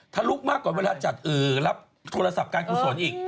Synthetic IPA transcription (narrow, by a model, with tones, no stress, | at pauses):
t̪ʰaː˥˩luː˦˥˩k̚maː˥˩kːɔː˨˩nweː˧laː˧t͡ɕa˨˩t̪̚ʔɯː˨˩la˦˥p̚ | t̪ʰoː˧ɾa˧sa˨˩p̚kaː˧nkʰuː˨˩su˨˩˦nʔiː˨˩k̚